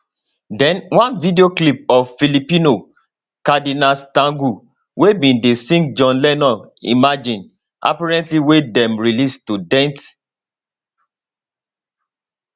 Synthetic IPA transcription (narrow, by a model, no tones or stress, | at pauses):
dɛ̃nwãnvideoklip̚ɔffilipĩno | kadinastãŋɡu | webĩndesĩŋk̚d͡ʒɔ̃nlɛnɔ̃ | ḭmad͡ʒĩn | ʔa̰paɹɛ̃ntliwedɛ̃mɹilistudɛ̃nt